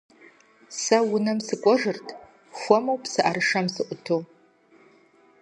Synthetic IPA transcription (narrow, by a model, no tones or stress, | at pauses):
sɐwʊnɐmsɨkʷʼɔʒɨrtʰ | xʷɔmowpsɨʔaɾɨʂɐmsɨʔʷʊtʰo